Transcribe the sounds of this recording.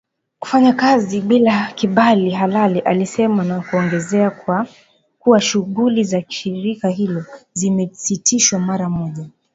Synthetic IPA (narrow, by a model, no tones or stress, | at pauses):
ku̥faɲakaziɓilakiɓaliɦalaliʔalisɛmanakuɔŋɡɛzɛakwa | kuwaʃuɣulizaʃiɾikaɦilɔzimɛsitiʃwamaɾamɔʄa